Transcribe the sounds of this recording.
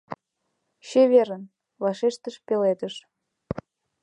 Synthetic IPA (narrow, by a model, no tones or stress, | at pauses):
ɕeβeɾən | vɑʃeʃt̪əʃpelet̪ə̆ʃ